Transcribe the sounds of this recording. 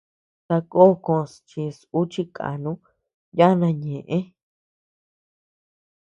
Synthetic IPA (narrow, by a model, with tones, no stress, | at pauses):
t̪a˧ko˦˨kõ˧st͡ʃi˧su˦t͡ʃi˧kʰa̰˨nũ˦ | ja˦nã˧ɲẽ˨ʔẽ˦